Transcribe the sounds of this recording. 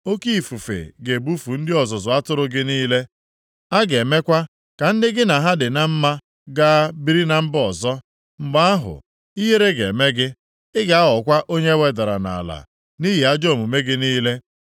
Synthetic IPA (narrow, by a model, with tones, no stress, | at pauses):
o˦ki˦i˨fu˨fḛ˨ɡe˨bu˦fu˨n̩˦dɪ˦ɔ˨zɔ˨zʊ˨a˦tʊ˦ɾʊ˦ɡɪ˦niː˦le˦ | a˦ɡe˨me˦kʷa˦ | ka˨n̩˦dɪ˦ɡɪ˦na˨ɦa˦dɪ˨na˦m̩˦ma˦ | ɡa˦bi˦ɾi˦na˦m̩˦bɔ˨zɔ˦ | ŋ͡m̩˨ɡ͡ba˦a˦ɦʊ̰˨ | i˦ɦe˦ɾe˦ɡe˨me˦ɡɪ˦ | ɪ˦ɡa˨a˦ɦɔ˨kʷa˦ʔo˦ɲe˦we˨da˨ɾa̰˨na̰˨la̰˨ | ni˦ɦi˨a˦d͡ʒo˦˨mu˨me˦ɡɪ˦niː˦le˦